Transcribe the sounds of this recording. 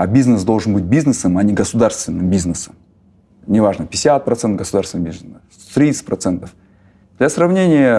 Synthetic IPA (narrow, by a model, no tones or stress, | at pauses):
abʲiznɨsd̪o̞lˠʐɨnbɨt̚ʲbʲiznɨsəmɐnʲɪɡəsʊd̪arst̪vʲɪnːɨmbʲiznɨsəm | nʲɪvaʐnəpʲɪsʲat̪̚pɾɐt̪sɛnt̪əvɡəsʊd̪arsʲɪnmbʲizəst̪ɾʲit̪sɨ̥t̚ʲpɾɐt̪sɛnt̪əf | d̪̥lʲɐsɾɐvnʲenʲɪjə